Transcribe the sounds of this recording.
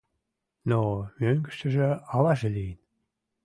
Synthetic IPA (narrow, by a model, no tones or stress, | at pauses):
nomøŋɡə̥̆ʃt̪ə̆ʒĕɑlɑʒelijən